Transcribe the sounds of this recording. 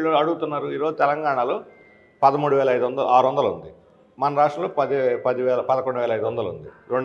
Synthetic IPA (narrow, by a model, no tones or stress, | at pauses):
ɭoɐɽuɡut̪unːaːɾuiːɾoːd͡ʒut̪ɛlɐŋɡaːɳalo̞ː | pɐd̪ɐmuːɽuʋɛːlɐjd̪uʋɐnd̪ɐlṵaːɾʋɐnd̪ɐlund̪i | mɐnɐɾaːʂʈɾɐ̃mloːpɐd̪pɐd̪iʋɛːlɐpɐd̪ɐkoɳɖuʋɛːlɐjd̪uʋɐnd̪ɐlṵnd̪i | ɾeɳ